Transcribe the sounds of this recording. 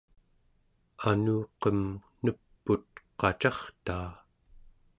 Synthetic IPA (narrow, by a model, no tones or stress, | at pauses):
anuːqʌmnəpːut̪̚qɑt͡ʃɑχt̪aː